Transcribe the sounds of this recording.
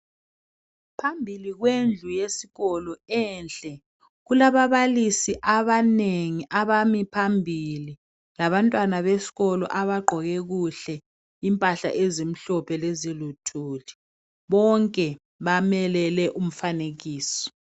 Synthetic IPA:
pʰambʱiliɣ̬wend͡ɮʱujesiɣɔlɔɛnɬʼɛ | ɣulaβaβalisiʔaβaneŋiʔaβamipʰambʱili | laβantʼwanaβesi̥ɣɔlɔ̰ʔaβaɡ͡ǃʱɔɣɛɣ̬uɬɛ | impʼaɬa̰ʔezim̩ɬɔpʰɛlezilutʰuːli | ɓɔŋkʼɛ | βamɛlɛlɛʔum̩faneɣ̬iːsɔ̥

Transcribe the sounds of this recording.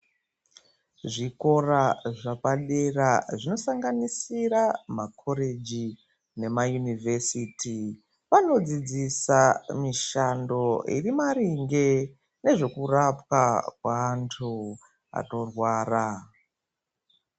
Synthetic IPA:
ʐiko̞raʐapaɗe̞raʐino̞saŋɡanisiɾamakʰo̞ɾe̞d͡ʒi | ne̞majunivʱesitʰi | ʋano̞d͡zid͡zisamiʃando̞ḭrimaɾiŋɡe̞ | ne̞ʐe̞kurapwakwaːntʰu | a̰to̞rwaːra

